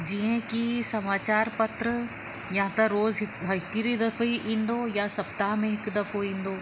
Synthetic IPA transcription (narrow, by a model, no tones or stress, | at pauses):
d͡ʒiẽkisɐmaːt͡ʃaːɾpɐt̪ɾə | jɐɦãt̪ɐɾoːzɦɪkɦɐkiɾid̪ɐfiʔĩːnd̪oːjasɐp̚t̪aːmẽɦɪkd̪ɐfoĩːnd̪oː